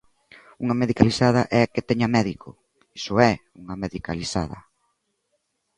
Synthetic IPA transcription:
uŋɐmeðikalisað̞ɐʔɛket̪ɛɲɐmɛðikʰʊ̰ | isʊɛ | uŋɐmeðika̰lisa̰ðɐ̰

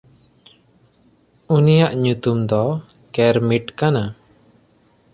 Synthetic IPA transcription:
unijaʔɲut̪umd̪ɔ | kɛɾmiʈkana

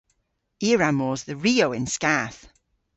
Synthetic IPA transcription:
iːəɹamɔːzðəɹiːoʊɪ̃nskaːˑθ

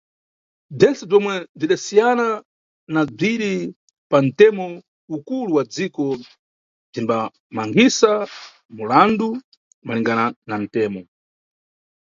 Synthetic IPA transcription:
b͡ʐɛnsɛb͡ʐɔmwɛb͡ʐiɗasijana | nab͡ʐiɗi | pan̩tɛmɔ | ukuluwad͡zikɔ | b͡ʐimba | maŋɡisa | mulandu | maliŋɡananan̩tɛːmɔ

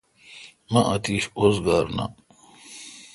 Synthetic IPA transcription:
mɐʔɐt̪iːɕozɡaːɾna̰

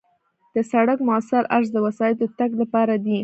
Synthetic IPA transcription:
d̪̥əsaɽakmʊasɪɾʔaɾs̬d̪əwasɑjɪt̪ot̪aɡlapɑɾad̪i

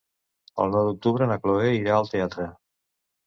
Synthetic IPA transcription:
ə̰lˠnɔwd̪uk̚t̪uβɾənəkloeiɾaəlˠt̪eat̪ɾə

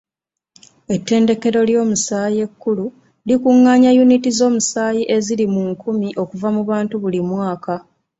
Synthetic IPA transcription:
e̞tːe̞ːnde̞ke̞ɾo̞ljo̞ːmusaːje̞kːulu | likuŋːaːɲajunitizo̞ːmusaːjiʔe̞zilimuŋkumiʔo̞kuvamuβaːntuβulimwaːka

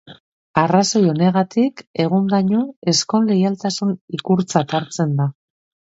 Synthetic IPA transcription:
araso̞jo̞ne̞ɣat̪ike̞ɣ̞und̪aɲoe̞sko̞nle̞jalt̪asunikuɾt͡sat̪aɾt͡se̞nd̪a

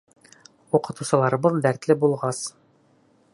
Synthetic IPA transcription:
uqɤ̆t̪usɤ̆lˠɑɾbɤlˠd̪æɾt̪lɘbulˠʁɑs

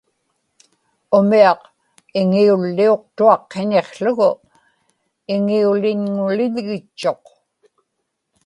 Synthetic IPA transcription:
ʊmiɑq | ɪŋiulːio̞q̚t̪uɑqːe̞ne̞χɬʊɣʊ | ɪŋiulɪɲŋʊlɪʎɣɪt͡ʃːo̞q

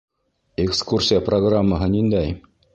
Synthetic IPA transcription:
ekskursʲiɪjəproɡramːəɦɤnind̪æj

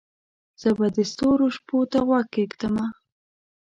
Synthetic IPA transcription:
z̥əbad̪əst̪oɾoʃpot̪aɣwaɡkːekt̪əma

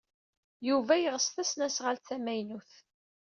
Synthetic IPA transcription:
juvæjəʁəsθæsnæsʁəlθæmæjnuθ

